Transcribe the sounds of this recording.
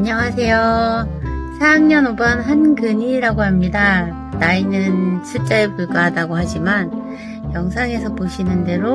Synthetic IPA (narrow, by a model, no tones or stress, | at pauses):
aɲʌŋasʰe̞jo | sʰajaŋɲʌnobʌnɦankɯɲiɾaɡoɦamɲida | nainɯnt͡ɕʰut͡ɕ͈aepuɭk͈aɦadaɡoɦad͡ʑiman | jʌŋsʰaŋe̞sʰʌpoɕʰinɯnde̞ɾo